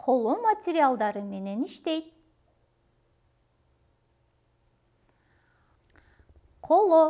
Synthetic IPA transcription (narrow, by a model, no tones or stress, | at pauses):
qʰo̞lˠomɐtʲɪɾʲɪalˠd̪ɑɾɯme̞ne̞niʃt̪ejt̪̚ | qʰolˠo